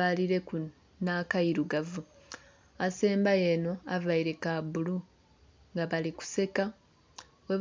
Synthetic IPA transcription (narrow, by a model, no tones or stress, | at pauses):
aliɾe̞ku | nakaiɾuɡavu | aseːmbajeno̞avaiɾe̞kabulu | ŋɡaβaliku̥se̞ka | we